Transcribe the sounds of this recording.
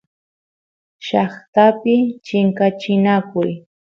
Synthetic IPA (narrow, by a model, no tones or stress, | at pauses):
ʃɑχt̪apɪt͡ʃɪŋkat͡ʃɪnakʊj